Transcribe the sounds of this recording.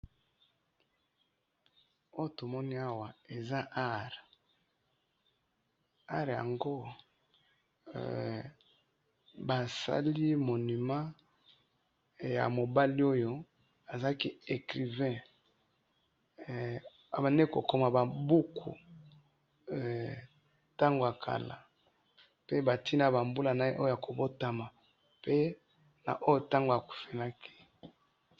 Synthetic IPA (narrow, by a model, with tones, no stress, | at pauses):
o˦jo˦to˨mɔ˦ni˦a˦wa˨e˨za˦ʔa˦ʁ | a˦ʁja̰˨ŋɡo˦ | ba˨sa̰˦li˦mo˨ni˨ma˦ | ja̰˨mo˨ba˦li˦o˦jo˦ | a˨za˦ki˦e˨kʁi˨vɛ̃˦ | a˨ba˨ne˦ko˨ko˨ma˨ba˨bu˦kʰṵ˨ | ta˦ŋɡo˨a˨kʰa̰˨la̰˨ | pe˦ba˨ti˦na˨ba˨mbu˦la˨na˦e˦ʔo˦o˦ja˨ko˨bo˦ta˨ma˨ | pe˦ | na̰˨ʔo˦jo˦ta˦ŋɡo˨a˨ku̥˨fe˨na˦kʰi̥˦